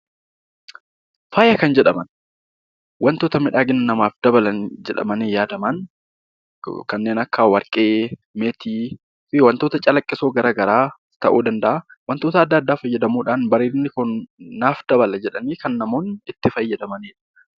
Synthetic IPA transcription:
faːjɐkɐnd͡ʒɛᶑɐmɐn | wɐnt̪oːt̪ɐmɪᶑaːɡɪnːnːɐmaːfd̪ɐbɐlɐnd͡ʒɛᶑɐ̰mɐneːjaːd̪ɐman | kɐnːeːnɐkʰːawɐɾkʼeːmeːt̪iː | fɪwɐnt̪oːt̪ɐt͡ʃʼɐlɐkʼːɪsoːɡɐɾaːɡɐɾaː | t̪ɐʔuːd̪ɐnd̪ɐʔawɐnt̪oːt̪ɐːd̪ːɐːd̪ːaːfɐjːɐd̪ɐmuːᶑaːnbɐɾiːɾnːɪkʊnːaːfd̪̥ɐbɐlɐd͡ʒɛᶑɐniːkɐnːɐmoːnɪt̪ːɪfɐjːɐd̪ɐmɐniːᶑɐ̥

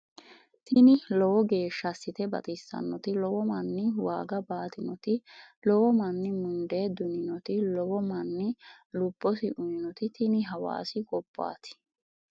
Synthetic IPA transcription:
t̪ʰɪnɪlɔwɔɡe̞ːʃːɐsːɪt̪ɛbɐ̰t̪ʼɪsɐ̰nːɔt̪ɪlɔwɔmɐnːɪwaːɡɐbaːt̪ɪnɔt̪ɪlɔwɔmɐnːɪmʊnd̪e̞ːd̪ʊnɪnɔt̪ɪlɔwɔmɐnːɪ | lʊbːɔsɪʔʊnɪnɔt̪ɪt̪ʰɪnɪɦɐwa̰ːsɪkʼɔbːa̰ːt̪ɪ̥

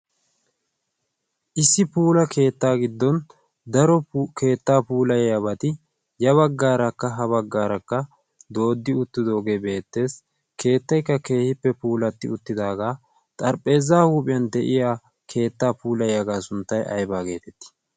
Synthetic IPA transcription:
ʔɪsːɪpuːlɐkʰe̞ːt̪ːaːɡɪd̪ːɔn | d̪ɐɾɔkʰe̞ːt̪ːaːpuːlɐjɐβɐt̪ɪ | jɐβɐɡːaːɾɐkːɐɦɐβɐɡːaːɾɐkːɐ | d̪o̞ːd̪ːɪʊt̪ːɪd̪o̞ːɡe̞be̞ːt̪ːe̞ːs | kʰe̞ːt̪ːɐjkːɐke̞ːhɪpːɛpuːlɐt̪ːɪʊt̪ːɪd̪aːɡaː | t̪ʼɐɾpʼːe̞ːzːaːhuːpʼɪjɐnd̪ɛʔɪjaː | kʰe̞ːt̪ːaːpuːlɐjɐɡaːsʊnt̪ːɐjʔɐ̰jbaːɡe̞ːt̪ɛt̪ːɪ̥

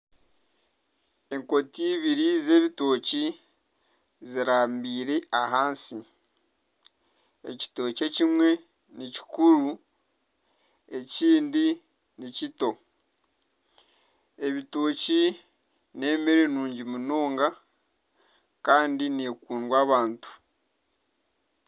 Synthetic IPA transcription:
e̞ŋko̞tiβiɾiːze̞ːβitoci | ziɾaːmbiːɾe̞aɦaːnsi | e̞̰ci̥to̞ːce̞cimwe̞ | nici̥kuɾu | e̞ciːndi | nicito̞ | e̞βitoːci | ne̞ːmeɾenuːɲɟimunoːŋɡa | kaːndinekuːnwaːβaːntu̥

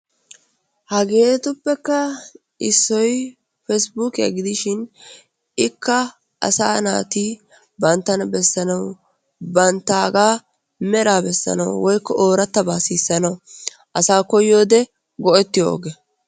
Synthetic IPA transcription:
hɐɡe̞ːt̪ʊpːɛkːɐ | ʔɪsːɔj | fɛsbuːkɪɐ̰ɡɪd̪ɪʃɪn | ɪkːɐ | ʔɐ̰saːna̰ːt̪iː | bɐnt̪ːɐnɐbɛsːɐnɐw | bɐnt̪ːaːɡaː | mɛɾaːbɛsːɐ̰nɐ̰wwɔjkːɔʔoːɾɐt̪ːɐbaːsiːsːɐnɐw | ʔɐsaːkɔjo̞ːd̪ɛ | ɡɔɛt̪ːɪjo̰ːɡɛ

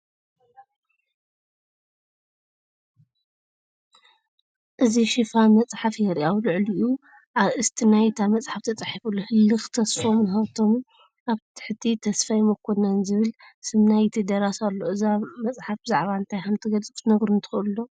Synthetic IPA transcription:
ʔɨziʃifamɐt͡sʼħafjɛɾiʔawlɨʕliʔu | ʔaβʔɨst̪ʰinajt̪ʰamɐt͡sʼħaft̪ʰɐt͡sʼaħifulːohɨlːɨxt̪ʰɐsfo̞mnɨxɐβt̪ʰo̞m | ʔaβt̪ʰɨ̥ħɨt̪ʰit̪ʰɐsfajmokʰːonːanzɨβɨlsɨmnajt̪ʰid̪ɐɾasalːo̞ɨzamɐt͡sʼħafbɨzaʕβaɨnt̪ʰajxɐmt̪ʰɨɡɐlt͡sʼɨkt̪nɐɡɾunt̪ʰɨ̥xɨlːo

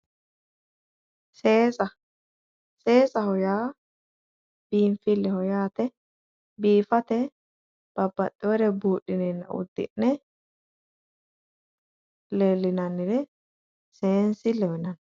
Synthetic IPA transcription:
seːsɐ | seːsɐhɔjaː | b̥iːɱfɪlːɛhɔjaːt̪ɛ | biːfɐt̪ɛ | b̥ɐbːɐt̪ʼːɛwɛɾɛbuːʔːɪnɛnːɐ̰ʊ̰d̪ːɪ̰nːɛ | leːlːɪnɐnːɪɾɛ | seːnsɪlɛwɛnɐn

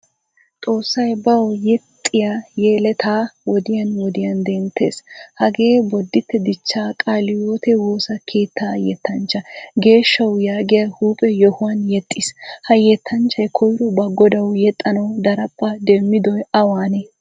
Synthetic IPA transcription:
t̪ʼo̞ːsːɐjbɐwɔjɛt̪ʼːɪjajeːlɛt̪ʰaːwɔd̪ɪjɐnwɔd̪ɪjɐnd̪ɛnt̪ʰːe̞̰ːshɐɡe̞ːbɔd̪ːɪt̪ːɛd̪ɪt͡ʃːaːkʼaːlɪjoːt̪ɛwo̞ːsɐkʰe̞ːt̪ʰːaːjɛt̪ʰːɐnt͡ʃːɐɡe̞ːʃːɐwjaːɡɪjɐhuːpʼɛjɔhʊwɐnjɛt̪ʼːɪshɐjɛt̪ʰːɐnt͡ʃːɐjkʰɔjɾɔbɐɡɔd̪ɐwjɛt̪ʼːɐnɐwd̪ɐɾɐpʼːɐd̪ɛmːɪd̪ɔjɐwaːne

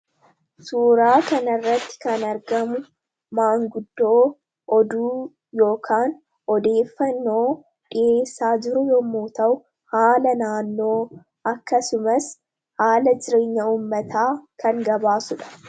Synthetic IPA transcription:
suːɾaːkɐnɐrːɐt̪ːɪ̥kɐnɐɾɡɐmʊ | maːŋɡʊd̪ːo̞ː | ʔɔd̪uː | jo̞ːkʰaːn | ʔɔd̪e̞ːfːɐnːo̞ː | ᶑɪeːsːaːd͡ʒɪɾʊjɔmːuːt̪ɐʔʊ | haːlɐnaːnːo̞ː | ʔɐkːɐsʊmɐs | haːlɐd͡ʒɪɾeːɲːɐuːmːɐt̪ʰaːkɐŋɡɐbaːsʊᶑɐ̥

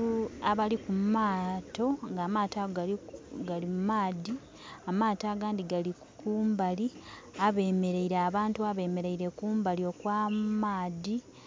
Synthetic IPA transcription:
uaβalikumaːto̞ŋɡaːmaːtaɡɡaɡalimumaːdi | amaːtaːɡaːndiɡali | kuːmbali | aβe̞ːme̞ɾe̞iɾeaβaːntuaβe̞ːme̞ɾeiɾe̞kuːmbalio̞kwaːmaːdi

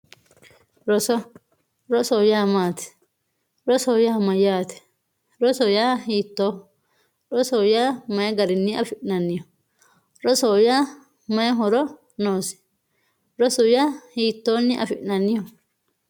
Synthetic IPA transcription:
ɾɔsɔ | ɾɔsɔjaːmaːt̪ɛ̥ | ɾɔsoːjaːmɐjaːt̪ɛ̥ | ɾɔsɔjaːhiːt̪ːoː | ɾɔsɔːjaːmɐjɛɡɐɾɪnːɪɐ̰fɪʔnɐnːɪjɔ | ɾɔsoːjaː | mɐjɛɦɔɾɔ | noːsɪ̥ | ɾɔsɔjaːhiːt̪ːoːnːɪʔɐ̰fɪʔnɐnːɪjɔ

